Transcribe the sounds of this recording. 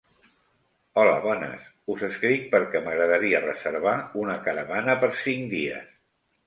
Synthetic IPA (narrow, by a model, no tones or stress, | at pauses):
ɔləβɔnə̰s | uzəskɾik̚pəɾkɛməɣɾəðəɾiərəzəɾβ̞aunəkaɾəβanəpəɾsiŋd̪iə̰s